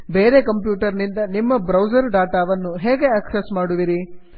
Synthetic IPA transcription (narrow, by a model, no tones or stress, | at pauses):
beːɾekɐmpjuːʈɐɾnind̪ɐnimːɐbɾɐwd͡ʒɐɾɖaːʈaːʋɐnːuɦeːɡe̞ɐksesmaːɽuʋiɾi